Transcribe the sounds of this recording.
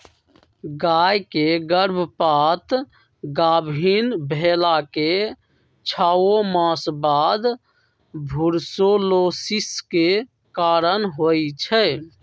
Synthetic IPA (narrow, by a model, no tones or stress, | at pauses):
ɡajkeɡəɾbʱpat̪ | ɡabʱinbʱelake | t͡ʃʰaomãsbad̪ | bʱuɾsolosiske | kaɾənɦojt͡ʃʰɛ